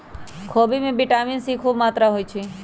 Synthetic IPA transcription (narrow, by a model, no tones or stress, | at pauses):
kʰoːbimẽbiʈaminsikʰuːbmat̪ɾaɦoːjt͡ʃʰe